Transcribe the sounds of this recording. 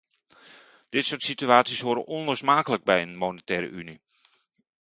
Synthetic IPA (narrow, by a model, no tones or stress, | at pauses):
d̥ɪtsoːtsityaːtsishoːɾəʔɔnloːsmaːkələɡ̚bɛjənmonətɛːɾə̰ʔyni